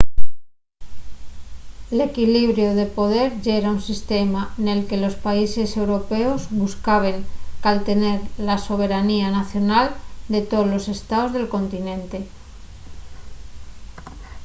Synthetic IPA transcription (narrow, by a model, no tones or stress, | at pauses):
ele̞kiliβ̞ɾjo̞ðe̞po̞ð̞e̞ɾʝeɾaunsist̪e̞mane̞lke̞lo̞spaise̞se̞wɾo̞pe̞o̞zβuskaβ̞e̞ŋkalt̪e̞ne̞ɾlaso̞β̞e̞ɾanianaθjo̞nald̪e̞t̪olo̞se̞st̪aozðe̞lko̞nt̪inẽ̞nt̪e